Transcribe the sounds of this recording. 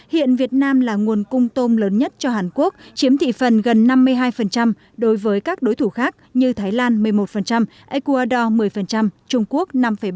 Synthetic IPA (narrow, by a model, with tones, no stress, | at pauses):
hḭ˧˨ənvi˨˩ət̚naː˧mlaː˨˩ŋu˨˩ənkʊ˧ŋ͡mt̪o˧nləː˨˦nɲə˦˥t̚t͡ɕɔ˧ɦaː˨˩nku˦˥ək̚t͡ɕi˨˦əmt̪ʰḭ˧˨fə˨˩nɣə˨˩nːa˧mːɨ˧əjɦaː˧jfə˨˩nt͡ɕa˧m | ɗo˨˦jvəː˨˦jkaː˦˥k̚ɗo˨˦jt̪ʰu˧˩xaː˦˥k̚ɲɨ˧t̪ʰaː˨˦jlaː˧nmɨ˨˩əjmo˨˩t̚fə˨˩nt͡ɕa˧m | ʔɛ˧ku˧aː˧ɗɔ˧mɨ˨˩əjfə˨˩nt͡ɕa˧mt͡ɕʊ˧ŋ͡mku˦˥ək̚na˧mfə˧˩j